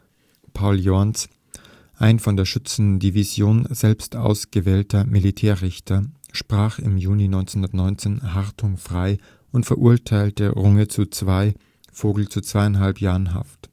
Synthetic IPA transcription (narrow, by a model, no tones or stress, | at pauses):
pʰaʊljɔɐns | ʔaɪnfɔndeːɐʃʏt͡sn̩divizjoːnzɛlpstʔa̰ʊsɡ̥əvɛːltɐmilitʰɛːɐʁɪçtʰɐ | ʃpʁ̥aːχɪmjuːninɔʏnt͡sehʊndɐtnɔʏnt͡seːnɦaʁtʰʊŋfʁ̥aɪ | ʔʊntfɛɐʔuɐtʰaɪltə̰ʁʊŋət͡sut͡sv̥aɪ | foːɡl̩t͡sut͡sv̥aɪaɪnɦalpjaːʁənɦa̰ft